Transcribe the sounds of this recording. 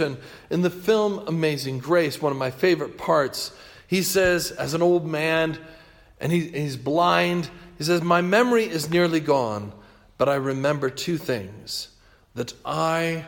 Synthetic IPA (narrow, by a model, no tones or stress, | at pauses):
ɨ̃n | ɨ̃nðɨfɪlˠməmeɪzɪ̃ŋɡɹeɪswʌ̃nʌvmaɪfeɪvə˞ɨt̚pʰɑɹts | hisɛzɨz̃n̩oʊlˠd̚mæ̃n | ʔɨ̃niizblãɪ̃ndhis̬ɛzmaɪmɛmə˞iʔɨznɪɹlˠiɡɔ̃n | b̥ʌɾaɪɹɨmɛ̃mbə˞tʰʉθɪ̰̃ŋz̥ | ðɨɾʔaɪ